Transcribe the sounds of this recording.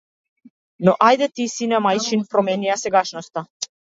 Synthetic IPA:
noʔajd̪et̪isinɛmajt͡ʃinpɾomeniaseɡaʃnost̪a

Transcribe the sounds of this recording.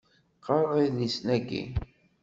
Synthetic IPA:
qəɾˤiðisnæɡḭ

